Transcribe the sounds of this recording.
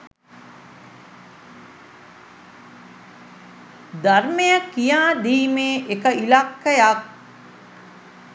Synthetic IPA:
d̪armejakːijaːd̪iːmeːʔekəilakːəjak̚

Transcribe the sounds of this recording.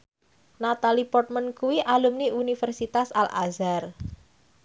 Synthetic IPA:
nat̪alipɔrt̪̚mənkuwiʔalumniunifərsit̪asalʔa̰zar

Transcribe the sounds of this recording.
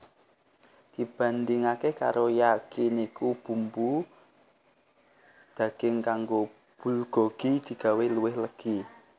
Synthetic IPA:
d̪̥i̤b̥a̤nd̪ɪŋakeka̰ɾojakɪnikub̥ṳmbu | d̪̥ä̤ɡ̥ɪŋkaŋɡo | b̥ṳlɡ̥ɔ̤ɡ̥i̤d̪̥i̤ɡ̥a̤weluwɪhləɡ̥i

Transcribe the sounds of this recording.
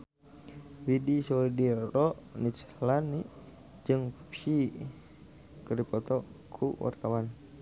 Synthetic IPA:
widisɔdiɾɔʔnit͡ʃlani | d͡ʒɨŋpi | kəɾipɔt̪ɔkʰuwa̰rt̪awan

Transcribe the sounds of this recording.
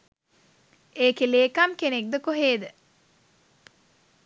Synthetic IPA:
eːkeleːkamkenek̚d̪əkoɦeːd̪ə

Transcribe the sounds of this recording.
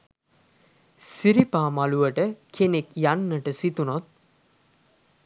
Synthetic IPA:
siɾipaːmaluʋəʈəkʰenekjanːəʈəsit̪unot̪̚

